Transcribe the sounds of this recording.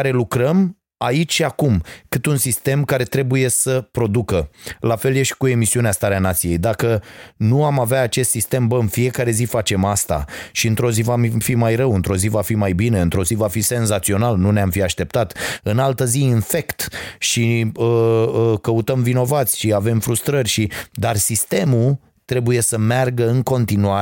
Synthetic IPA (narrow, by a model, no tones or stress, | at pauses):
aɾe̞lukɾəm | ait͡ʃʲʃiakumkɨt̪unsist̪e̞mkaɾe̞t̪ɾe̞buje̞səpɾo̞d̪ukəlafe̞lje̞ʃt̪ʲkue̞misiuneast̪aɾeanat̪sije̞jd̪akənuamaveaːt͡ʃe̞st̪sist̪e̞mbəɨnfie̞kaɾe̞zifat͡ʃe̞mast̪a̰ʃiɨnt̪ɾo̞zivamfimajɾəwɨnt̪ɾo̞zivafimajbineɨnt̪ɾo̞zivafise̞nzat̪sio̞nalnuneamfiaʃt̪e̞p̚t̪at̪ɨnalt̪əziinfe̞kt̪ʃiəəkəut̪əmvino̞vat̪sʲʃiave̞mfɾust̪ɾərʲʃid̪arsist̪e̞mul | t̪ɾe̞buje̞səmearɡəɨŋko̞nt̪inua